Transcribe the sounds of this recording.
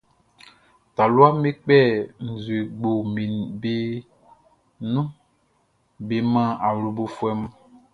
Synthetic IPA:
ta˨lu˦a˦me˦k͡pɛ˦˨n̩˨zu˨e˨ɡ͡bo˨mĩ˨be˦ | nũ˦ | be˨mã˦˨a˨wlu˨bo˨fu˦ɛ˦mã˦

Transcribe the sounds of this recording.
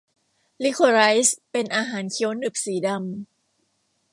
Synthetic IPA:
li˦˥kʰo˧ɾa˦˥jspe˧nʔaː˧ɦaː˩˦nkʰi˨˩˦ə˦wnɯ˨˩p̚siː˩˦da˧m

